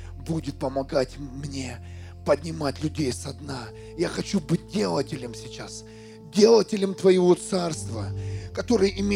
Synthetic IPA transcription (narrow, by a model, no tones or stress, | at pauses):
budʲɪt̪̚pəmɐɡatʲmnʲe | pədʲnʲɪmatʲlʲʉdʲejsɐd̪na | jaxɐt͡ɕubɨt̚ʲdʲe̞lˠətʲɪlʲɪmsʲɪt͡ɕas | dʲe̞lˠətʲɪlʲəmt̪vɐjɪvo̞t̪sarst̪vəkɐt̪o̞ɾɨjɪmʲe